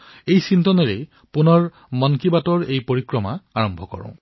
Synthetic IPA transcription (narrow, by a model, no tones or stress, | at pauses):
ejsint̪ɔnɔɹe | punɔɹ | mɔnkibatɔɹejpoɹikɹɔmaaɹɔmbʱɔkɔ̰ɹɔ̰̃